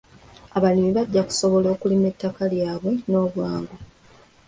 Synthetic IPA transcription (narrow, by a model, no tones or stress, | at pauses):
aβalimiβaɟːaku̥so̞βo̞lo̞ːkulimetːakaljaːβwe̞no̞ːβwaːŋɡu